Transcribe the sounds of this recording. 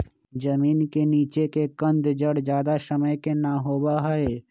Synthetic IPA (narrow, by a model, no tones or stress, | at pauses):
d͡ʒəmiːnkeniːt͡ʃekekə̃nd̪d͡ʒəɽd͡ʒjaːd̪asəməjkenaɦoːbaɦɐe